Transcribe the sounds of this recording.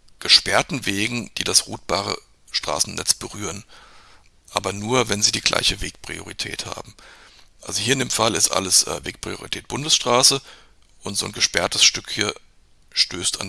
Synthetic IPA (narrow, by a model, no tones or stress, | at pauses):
ɡ̥əʃpɛɐtn̩veːɡŋ̩d̥iːdasʁuːt̚b̥aːʁ̞ə̰ | ʃtʁ̥a̰ːsn̩nɛ̰t͡sb̥əʁyːʁən | ʔaːbɐnuːɐvɛnziːdiːɡlʔa̰ɪçəveːk̚pʁ̥ḭoʁitʰɛ̰ːtha̰ːbm̩ | ʔalzohiːɐɪndeːmfalɪstʔa̰ləsʔɛveːk̚pʁ̥ḭoʁḭtʰɛːt̚b̥ʊndəsʃtʁ̥aːsə | ʔʊntz̥o̰ːnɡəʃpɛɐtəsʃtʏkhiːɐ | ʃtøːstʰa̰n